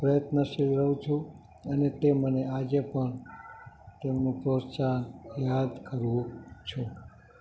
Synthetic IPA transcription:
pɾəjət̪nəʃilɾəʋũt͡ʃʰũ | ənet̪emənead͡ʒepəɳ | t̪emnũpɾosanjad̪kəɾʋũt͡ʃʰu

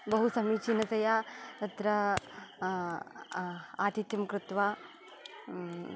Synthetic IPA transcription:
bɐɦusɐmiːt͡ʃʰinɐsɐjat̪ɐt̪ɾɐ | aːt̪it̪jɐmkɾut̪ʋaː

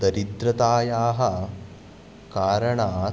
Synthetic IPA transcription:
d̪ɐɾid̪ɾɐt̪aːjaːɦɐ | kaːɾɐɳaː

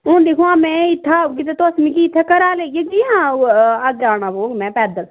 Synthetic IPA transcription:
õːnd̪eːkʰũaːmɛ̃ːɪt̪ʰːaːkɪt̪et̪osmĩːkiːt̪ʰːaːkəɾaːleːjeɡiːãːəɡaːnaːʋoːɡmɛ̃ːpɛːd̪əl

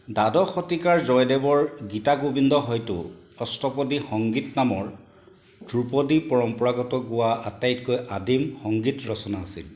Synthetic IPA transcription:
dadɔxɔtikaɹzɔjdɛbɔɹɡitaɡobindʱɔɦɔjtʊ̰ | ɔstɔpɔdixɔŋɡitnamɔɹ | dupɔdipɔɹɔmpɔɹaɡɔtɔɡʊwaatajitkojʔadimxɔŋɡitɹɔsɔnaːsḭl

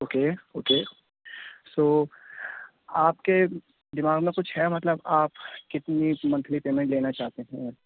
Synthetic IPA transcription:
oːkeoːkeː | soː | aːp̚ke | d̪ɪmaːɡmẽkʊt͡ʃʰhɛmɐt̪ləbaːpkɪt̪nimɐ̃nt̪ʰlipeːmẽɳʈleːnat͡ʃaːɦt̪eɦɛ̃

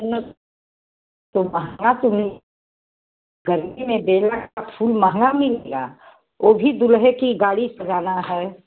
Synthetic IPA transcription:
nə | t̪oməɦɡat̪ʊmi | ɡəɾmimẽbeːlakapʰuːlməɦə̃ŋɡamɪleɡa̰ | oːbʱid̪ʊlɦekiɡaːɽisɐd͡ʒaːnaɦɛː

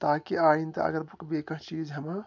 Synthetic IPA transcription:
t̪aːkiaːint̪ɐ̰ɐ̰ɡəɾbɐkbekə̃ɦt͡ʃiːd͡ʒɦɐmã

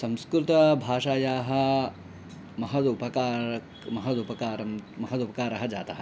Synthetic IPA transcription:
sɐ̃mskɾut̪ɐbʱaːʂaːjaːɦɐ̆ | mɐɦɐd̪upɐkaːɾɐ | mɐɦɐd̪upɐkaːɾɐmmɐɦɐd̪upɐkaːɾɐɦɐd͡ʒa̰ːt̪ɐɦɐ

